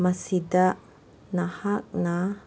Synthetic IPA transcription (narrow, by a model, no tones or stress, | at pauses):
masidaʔ | nahak̚na